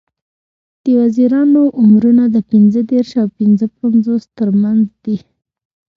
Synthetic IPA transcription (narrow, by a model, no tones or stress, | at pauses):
d̪̥əwaziɾɑnoʔʊmɾunad̪əpɪnzəd̪eɾʃawpɪnzəpanzost̪əɾmanzd̪i